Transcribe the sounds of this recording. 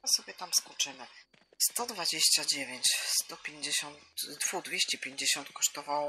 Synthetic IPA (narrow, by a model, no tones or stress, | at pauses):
sɔbʲjɛt̪amskut͡ʂɘmɘ | st̪ɔd̪vad͡ʑeɕt͡ɕad͡ʑevʲjeɲt͡ɕst̪ɔpʲjeɲd͡ʑeɕɔnt̪d̪vuɣd̪vʲeɕt͡ɕɛpʲjeɲd͡ʑeɕɔnt̪kɔ̥ʂt̪ɔvawɔ